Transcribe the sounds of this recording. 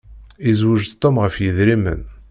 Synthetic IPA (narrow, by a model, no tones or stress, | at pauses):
izwəʒt̪ˤːomʁəfjəðɾimə̰n